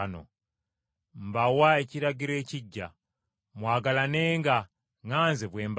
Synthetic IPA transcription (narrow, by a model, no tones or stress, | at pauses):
no̰ | mbawaeciɾaɟiɾe̞ːciɟːa̰ | mwaːɡalaneːŋɡa | ŋaːnzeβwe̞ːmb